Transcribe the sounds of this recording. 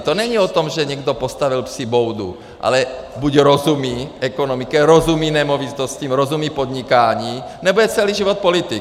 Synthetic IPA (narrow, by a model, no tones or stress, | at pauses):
t̪onɛɲiɔt̪ɔmʒɛɲɛɡd̪ɔpɔst̪aʋilpsibɔwd̪ṵ | ʔa̰lɛbuɟɾɔzumiːɛkɔnɔmikɛɾɔzumiːnɛmɔvit̪oscimɾɔzumiːpɔd̪ɲikaːɲiːnɛbɔjɛt͡sɛliːʒiʋɔt̪̚polit̪i